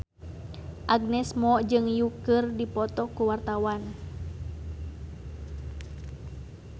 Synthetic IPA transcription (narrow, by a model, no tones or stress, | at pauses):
ʔaɡnɛsmɔd͡ʒɨŋjukɨrdipɔt̪ɔkuwart̪awan